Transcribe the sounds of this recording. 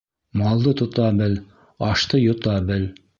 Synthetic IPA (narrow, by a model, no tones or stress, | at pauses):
mɑlˠd̪ɤt̪ŏt̪ɑbɘl | ɑʃt̪ɤjŏt̪ɑbɘl